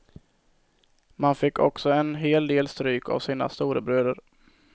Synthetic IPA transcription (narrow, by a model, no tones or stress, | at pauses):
manfɪkːɔ̰ksɔɛnɦeːld̪eːlst̪ɾyːkʰa̰vsiːna̰st̪uːɾəbɾøːd̪əɾ